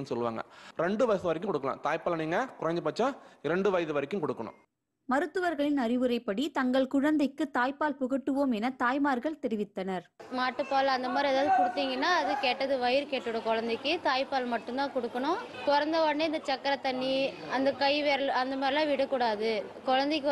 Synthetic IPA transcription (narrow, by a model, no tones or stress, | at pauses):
nːsɔlːɯʋaːŋɡɐ̰ɾɛɳɖɯʋɐjɪðɯʋɐɾɪk̬ːɯ̃mkɔɽɯkːɐlã̰ːt̪aːjpaːlɐniːŋɡɐkʊɾɐɲd͡ʒɐpɐːt͡ʃːãːɪɾɐɳɖɯʋɐjðɯʋɐɾɪkʲːɯ̃mkɔɽɯkːɐɳʊ̰̃ | mɐɾɯt̪ːɯʋɐɾɣɐɭɪnɐɾɪʋɯɾɐɪpːɐɽit̪ɐŋɡɐɭkʊɻɐnd̪ɐɪkːɯt̪aːjpːaːlpʊɣɐʈːɯʋoːmɛnɐt̪aːjmaːɾɣɐɭt̪ɛɾɪʋɪt̪ːɐnɐɾmaːʈːɯpːaːlɐnd̪ɐmaːd̪ɾiɐðaːðɯkɔɽɯt̪ːiːŋɡɐnːaːɐðɯkeːʈːɐðɯʋɐjɪɾkeːʈːɯɽɐkɔɻɐnd̪ɐɪkːɯt̪aːjpaːlmɐʈːɯnt̪ãːkɔɽɯkːɐɳʊ̃kɔɾɐnd̪ɐʋɐɳːiɐnd̪ɐt͡ʃɐkːɐɾɐt̪ɐɳːiɐnd̪ɐkɐɪʋeːɾlɐnd̪ɐmaːd̪ɾɪlãːʋɪɽɐkːʊɽaːðɯkɔɻɐnd̪ɐɪkːɯ